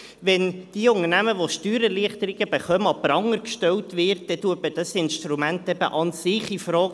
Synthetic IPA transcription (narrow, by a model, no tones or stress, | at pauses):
ʋɛnd̥iʊnəɾnæməʋoʃtyːɾəliəχt̪əɾiɡ̥əb̥eχœməɑpəɾɑŋːəɾkʃtɛltʋɪːɾt̚d̥̪ɛtuəpəd̥ɑsɪnʃtɾumæntɛbə̰ʔɑnsɪχifɾɔːɡ